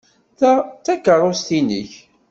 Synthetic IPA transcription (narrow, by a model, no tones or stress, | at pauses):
θæθækːərˤost̪inə̰ç